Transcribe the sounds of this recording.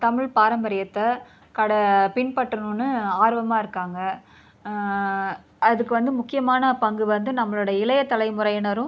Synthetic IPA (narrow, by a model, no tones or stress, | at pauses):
t̪ɐmɪɻpaːɾɐmbɐɾɪjɐt̪ːɐ | kɐɽɐpɪnpɐʈːɐnũnːɯaːɾʋɐmaːɪɾɯkːaːŋɡɐ | ɐðɯkːɯʋɐnd̪ɯmʊkːɪjɐmaːnɐpɐŋɡɯʋɐnd̪ɯnɐmːɐɭɯɽɐjɐɪlɐjɐt̪ːɐlɐɪmʊɾɐjɐnɐɾɯ̃